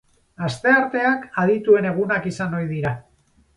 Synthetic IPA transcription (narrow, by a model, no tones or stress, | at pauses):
ast̪e̞aɾt̪e̞akað̞it̪ue̞ne̞ɣ̞unakisanojðiɾa